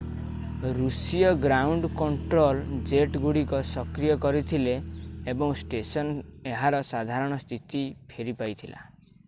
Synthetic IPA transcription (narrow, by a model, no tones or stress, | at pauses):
ɾusijɔɡɾawɳɖkɔɳʈɾold͡ʒeʈɡuɽikɔsɔkɾijɔkɔɾit̪ʰileːbɔŋsʈesɔneɦaɾɔsad̪ʱaɾɔɽ̃ɔst̪ʰit̪ipʰeɾipajt̪ʰila̰